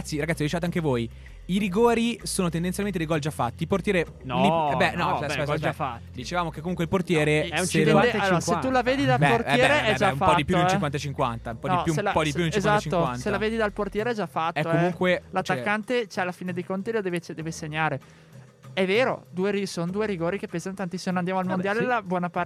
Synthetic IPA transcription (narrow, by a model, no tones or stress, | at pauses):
at̪sːiɾaɡat̪ːiɔd̪it͡ʃevat̪oaŋkevoːj | iɾiɡoːɾisoːnot̪end̪enjalment̪ed̪eiɡɔld͡ʒafːa̰t̪ːiport̪jɛːɾe | niɛbɛnɔesafat̪ːd̪it͡ʃevaːmokekːomuŋkweilport̪jɛːɾeɛusealoɾaset̪ulaveːd̪id̪aporɛjɛːɾeɛd͡ʒaumfːaɔtd̪ipjunelt͡ʃikwant̪at͡ʃiŋkwa̰nt̪aumpɔnd̪iɔjuelapɔd̪ipjunelʃezatt͡ʃiŋːowantsealaveːd̪id̪alport̪jɛːɾeɛd͡ʒafat̪ɛːokːoɛmuŋkwelat̪ːakːant̪et͡ʃɛalːafiːned̪ejkont̪ilod̪eːvet͡ʃd̪eːveseɲːaːɾe | ɛveːɾo̰d̪uːeɾisond̪uːeɾiɡoːɾikepːeːzanot̪ant̪isːimonand̪amoalmond̪jaːlelabwɔːnapa